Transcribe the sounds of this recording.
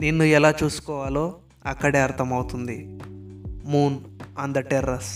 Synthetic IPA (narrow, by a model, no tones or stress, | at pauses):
ninːuɛlaːt͡ʃuːsu̥kɔːʋaːlo̞ː | ɐkːɐɽe̞ːɐɾt̪ʰɐmɐwut̪und̪i | muːnɐnd̪ɐʈeɾɐs